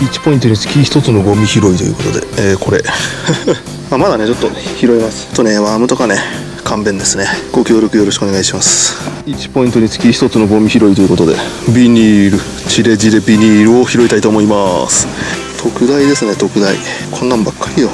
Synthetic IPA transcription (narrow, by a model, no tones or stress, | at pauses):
it͡ɕi̥po̞ĩnt̪o̞ɲ̟isɨ̥kʲiçi̥t̪o̞t͡sɨno̞ɡo̞mʲiçiɾo̞it̪o̞jiɯ̰ko̞t̪o̞d̪e̞̰eːko̞ɾe̞ | amad̪ane̞t͡ɕot̪ːo̞çiɾo̞imasɨ̥t͡ɕot̪ːone̞βaːmɯ̟t̪o̞kane̞ | kʰãmbẽ̞nd̪e̞sɨneɡ̥o̞kʲo̞ːɾʲo̞kɯ̟joɾo̞ɕi̥kɯone̞ɡaiɕimasɨ̥it͡ɕi̥po̞ĩnt̪oɲ̟isɨ̥kʲiçi̥t̪o̞t͡sɨno̞ɡo̞mʲiçiɾo̞it̪o̞jɯ̟ko̞t̪o̞d̪e̞̰bʲiɲʲiːɾɯ̟ | t͡ɕiɾe̞d͡ʑid̪e̞bʲiɲʲiːɾɯ̟o̞çiɾo̞it̪ait̪o̞ːmo̞imasɨ̥ | t̪ʰo̞kɯ̟d̪aid̪e̞sɨne̞t̪o̞kɯ̟d̪aḭ | kʰõ̞nːãmbakʰːaɾʲijo